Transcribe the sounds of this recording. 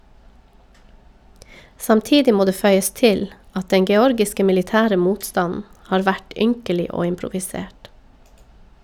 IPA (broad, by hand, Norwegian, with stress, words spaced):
sɑmˈtiːdɪ ˈmoː ˈdeː ˈfœʏəs ˈtɪl ˈɑt ˈdɛŋ ɡɛˈɔɾɡɪskə mɪlɪˈtæːɾə ˈmuːtˌstɑnn̩ ˈhɑːɾ ˈʋæʈ ˈʏŋkəlɪ ˈoː ɪmpɾʊʋɪˈseːʈ